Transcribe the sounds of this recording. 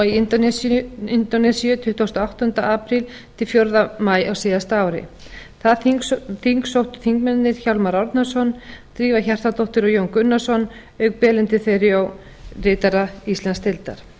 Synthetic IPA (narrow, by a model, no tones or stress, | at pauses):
i | ɪnt̪ɔnɛsijʏt̪ʰʏht̪owst̪aawht̪ʏnt̪a̰ʔaːpɾɪl | t̪ʰɪlfjowɾðamaːjawsɪːðast̪aaːwɾɪ̰ | θaðθiŋksowht̪ʏ̥θiŋkmɛnnɪɾ̥çawlmaɾawɾt̪nasɔnt̪ɾiːvaçɛr̥t̪at̪ʰoht̪ɪɾɔjowŋkʏnːasɔn | œɥk̚pɛːlɪnt̪ɪθejɾɪaw | rɪːt̪aɾaist̪lɛnst̪ʰɪlt̪a̰ɾ̥